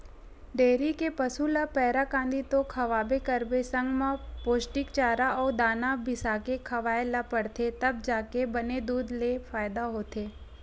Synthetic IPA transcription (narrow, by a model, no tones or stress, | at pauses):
ɖeːɾikepɐsulapɛːɾakãːnd̪it̪okʰɐʋaːbekəɾbesɐ̃ŋɡmãpoːsʈɪkt͡ʃaːɾaɔːd̪aːnabʱɪsakekʰɐʋaːelapəɽt̪ʰet̪ɐb̚d͡ʒaːkebɐned̪uːd̪lefaːjd̪aɦoːt̪eː